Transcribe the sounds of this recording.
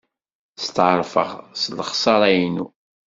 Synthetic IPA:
st̪ʕɾˤfə̰ʁsləχsˤɑɾˤæjnṵ

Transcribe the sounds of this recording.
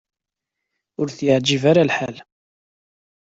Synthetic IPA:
ʊɾθjaʕd͡ʒivaɾalħal

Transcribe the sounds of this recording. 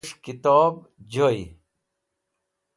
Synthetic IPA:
ʂkit̪ɔːb | d͡ʑoj

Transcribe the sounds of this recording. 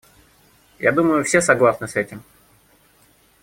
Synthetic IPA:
ja̰d̪uməjʊfsʲesɐɡlˠasnɨsɛtʲɪm

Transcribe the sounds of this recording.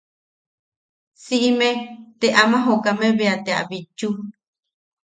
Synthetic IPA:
siʔimẽt̪eʔamãɦokamẽβeat̪ea̰βit͡ʃu

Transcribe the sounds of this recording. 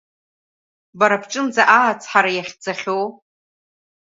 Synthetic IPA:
baɾapʰʈ͡ʂʼɨnd͡zaʔaːt͡sʰħaɾajaχʲd͡zaχʲow

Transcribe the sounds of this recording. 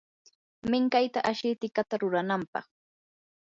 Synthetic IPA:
mɪŋkajt̪aʔaʃɪt̪ɪkat̪aɾʊɾanampɑ̰χ

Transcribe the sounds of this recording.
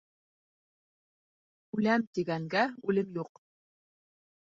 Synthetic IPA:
ʉlæmt̪iɡæŋɡæʉlɘmjuq

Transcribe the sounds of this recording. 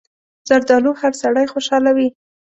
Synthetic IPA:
z̥aɾd̪ɑluhaɾsaɽajxoʃɑlawi

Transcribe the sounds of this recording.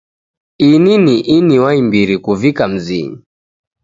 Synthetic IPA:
ininiʔiniwaimbiɾikuvikam̩zḭ

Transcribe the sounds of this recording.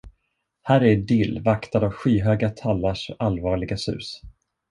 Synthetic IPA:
hæːɾɛɖɪlːvakt̪ad̪avɧiːɦøːɡat̪ʰalːaʂalvɑːɭɪɡasʉ̟̰ːs

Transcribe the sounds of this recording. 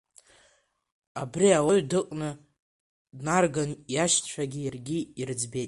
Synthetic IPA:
abriawaɥdɨqʼnɨ | dnarɡanjaʃtʰt͡ʃʷʰaɡʲijarɡʲiirɨd͡zbe̞jtʼ

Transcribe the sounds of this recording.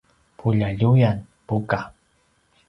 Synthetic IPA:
pʰʊʎaʎʊjan | pʊka

